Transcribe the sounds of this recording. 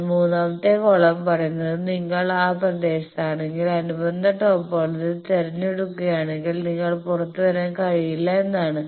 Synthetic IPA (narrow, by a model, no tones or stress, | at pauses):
muːnaːʋɐt̪ːe̞koɭɐmpɐrɐjunːɐðɨniŋːɐɭaːprɐd̪e̞ːɕɐtaːɳe̞ŋɡilɐnubɐnd̪ʱɐʈːoːpːoːɭɐðilt̪eɾɐnːeɽukːuɣjaːɳe̞ŋɡilniŋːɐɭpurɐt̪ːuʋɐɾekɐɻijilːɐenːaːɳɨ